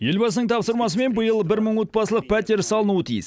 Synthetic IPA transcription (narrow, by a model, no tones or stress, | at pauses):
je̞lbɑsənəɴt̪ʰɑpsəɾmɑs̬əme̞nbəjəlˠbɪɾməɴwo̞t̪̚pɑsəlˠəq̚pʰæt̪eɾsɑlˠənuət̪ʰijɪs